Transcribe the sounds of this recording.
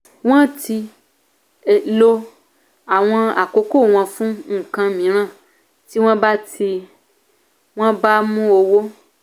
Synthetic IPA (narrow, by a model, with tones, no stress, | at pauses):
w̃ɔ̃˦ti˧ | e˨lo˦ | a˨w̃ɔ̃˧a˨ko˨˦ko˦˨w̃ɔ̃˧fũ˦ŋ̩˦˨kã˧mĩ˨˦ɾ̃ã˦˨ | ti˦w̃ɔ̃˦ba˦tʰi˧ | w̃ɔ̃˦ba˦mũ˦o˧wo˦